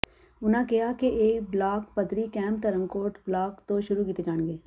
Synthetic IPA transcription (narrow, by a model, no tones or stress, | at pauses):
ʊnãkɪjakeʔeːkblaːkpɐd̪ɾikɛ̃ːmp̚t̪ɐɾəmkoːʈblaːkt̪oʃʊɾukiːt̪ed͡ʒaːnɡeː